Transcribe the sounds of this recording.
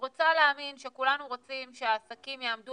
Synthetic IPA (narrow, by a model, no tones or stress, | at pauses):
ʁo̞t͡saleaminʃe̞kulanuʁo̞t͡simʃeaːsakimjaːmdu